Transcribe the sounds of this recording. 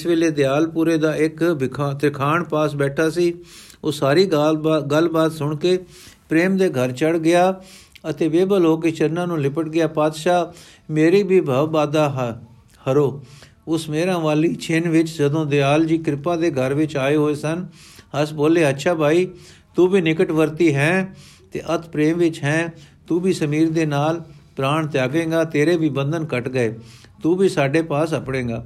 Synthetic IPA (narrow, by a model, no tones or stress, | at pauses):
ɪsʋeːleːd̪ɪjaːlpuːɾeːd̪aːɪkɪt̪ɾɪkʰaːɳpaːsbɛːʈʰaːsiː | oːsaːɾiːɡəlbaːt̪sʊɳkeː | pɾeːmd̪eːɡʱəɾt͡ʃəɽɡɪjaːət̪eːʋeːbəloːk̬et͡ʃənːãːnũːlɪpəʈɡɪjaːpaːd̪ʃaː | meːɾiːbʱiːbʱəʋbaːd̪aːɦ | həɾoː | ʊsmeːɾãːʋaːliːt͡ʃʰɪnʋɪt͡ʃd͡ʒəd̪õːd̪ɪaːld͡ʒiːkɾɪpãːd̪eːɡʱəɾʋɪt͡ʃaːeːɦoːeːsənəsboːleːətːʃʰaːbʱaːiː | t̪uːbiːnɪkəʈʋəɾt̪iːɦɛ̃ːt̪ḛːʔət̪ʰpɾeːmʋɪt͡ʃɦɛ̃ːt̪uːbiːsəmiːɾd̪eːnaːlpɾaːɳt̪jaːɡẽːɡaːt̪eːɾeːbiːbə̃nd̪ənkəʈɡəeː | t̪uːbiːsaːɖeːpaːsəpɽẽːɡaː